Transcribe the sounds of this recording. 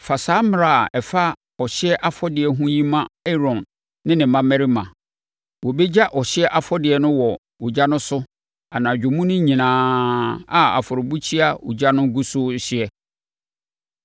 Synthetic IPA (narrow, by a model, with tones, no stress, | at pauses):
fa˨saː˦mɪ˦ɾa˨ɛ˨fa˦ | ɔ˨ɕɪ˦ɛ˦ʔa˦fɔ˦dɪ˨ɛ˨ɦũ˦jĩ˦mã˦ɛ˦ɾɔ̃˨nː | ɪ̃˦nɪ̃˨mã˦mɛ˦ɾi˦mã˨ | wɔ˨bɛ˦d͡ʑa˦ʔɔ˨ɕɪ˦ɛ˦ʔa˨fɔ˦dɪ˨ɛ˨nʊ̃˦wɔ˨ | wu˨d͡ʑa˦nʊ̃˦sʊ˦ | a˨nãː˨d͡ʑᶣʊ˨mũ˦nʊ̃˦ɲĩ˨nãː˨ | a˨a̰˨fɔ˨ɾʊ˨bu˦t͡ɕʰi˦a˦wṵ˨d͡ʑa˦nʊ̃˦ɡu˦sʊ˦ɕɪ˦ɛ˦